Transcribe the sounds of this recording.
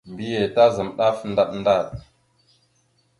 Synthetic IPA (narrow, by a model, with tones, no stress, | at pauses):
mbi˦je˨ta˦zə˨mɗa˦fnda˨ɗnda˦˨ɗ